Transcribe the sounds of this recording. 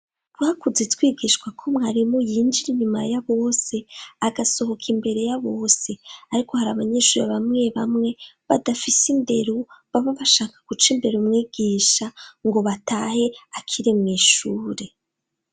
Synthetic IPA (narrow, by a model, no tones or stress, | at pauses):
ɾwakuzetwiːɡiʃkwakʰomŋaɾimojiːnd͡ʒiɾiɲumajaβo̞ːse̞aɡaso̞ho̞kʰimbe̞ɾe̞jaβo̞ːse̞aɾiko̞haɾaβaɲeʃuːɾeβamŋe̞βamŋe̞βadafisimbe̞ɾuβamoβaʃaːkḁɡ̥ut͡ʃimbe̞ɾumŋiːɡ̥iːʃaŋɡo̞βatahe̞akʰiɾemŋiːʃuːɾe̞